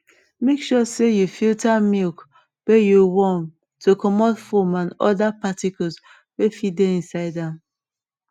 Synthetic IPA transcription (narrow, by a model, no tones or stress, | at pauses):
mekʃɔsejufiltamilk | wejuwɔ̃m | tʰokɔmɔtfɔmãnɔ̰dapatikɔls | wefideĩnsaɪdãm